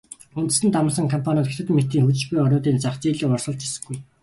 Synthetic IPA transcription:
unt̪ɘ̆sɘ̆nt̪amə̆sə̆ŋkʰɔmpʰanʲɔːt̪xet̪ʰɘ̆t̪mːet̪ːiːŋxut͡ɕ̆t͡ɕɡujɔɾʲʊːt̪iːnt͡saχt͡siːɮĭːɔrsə̆ɮt͡ɕʰi̥sɘ̆ɡuj

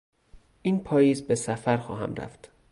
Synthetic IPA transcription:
ʔiːnpʰɒːjiːzbe̞sæfæɾxɒːhæ̰mɾæ̰ft̪

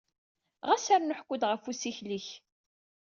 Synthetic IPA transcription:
ʁæsaɾnʊħkʷːʊd̪ʁəfusiçliç

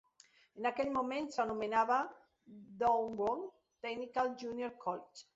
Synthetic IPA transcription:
enakeʎmomẽnsanumenaβa | d̪oŋɡoŋ | t̪ɛɡnikald͡ʒunjoɾkʰɔlit͡ʃ

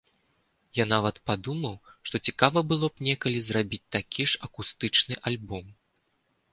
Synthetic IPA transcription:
janavɐt̪pad̪umɐwʂt̪ɔt͡sʲikavɐbɨlˠɔpnʲɛkɐlʲizrabʲit͡sʲt̪akʲiʂɐkust̪ɨt͡ʂnɨʔalʲbɔm

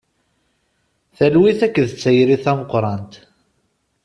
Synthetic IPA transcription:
θælwiθækːəðət͡sːæjɾiθæməqɾˤɑnt̪

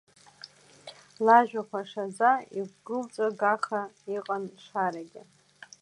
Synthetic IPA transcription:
laʒᶣakʷaʂad͡zaiɡʷɡɨlt͡sʼaɡaχaiqʼanʂaɾaɡʲɪ

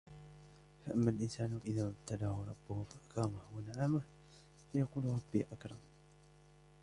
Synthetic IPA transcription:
faʔamːalʔɪnsaːnʔɪðaːab̚t̪ʰad̪ahʊɾˤɑbːʊhʊfaʔakɑːmahwanaʕaːmah | fajaquːlʊɾˤɑbːiʔakɾˤɑm

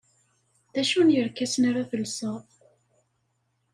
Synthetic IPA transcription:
ðæʃunjəɾkæsənaɾaθəlsəθˤ

